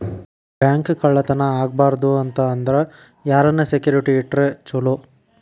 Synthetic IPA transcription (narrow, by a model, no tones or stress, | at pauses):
bjaːŋkkɐɭːɐt̪ɐnɐaːɡ̚baːɾɐd̪uɐnt̪ɐːnd̪ɐɾe | jaːɾɐnːɐsekjuːɾiʈiːʈːɾet͡ʃulo